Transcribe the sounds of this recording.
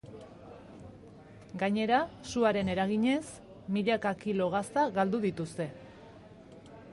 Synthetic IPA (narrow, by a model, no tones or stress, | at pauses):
ɡaɲe̞ɾasuaɾe̞ne̞ɾaɣiɲe̞s | miʎakakilo̞ɣ̞ast̪aɣald̪uðit̪ust̪e̞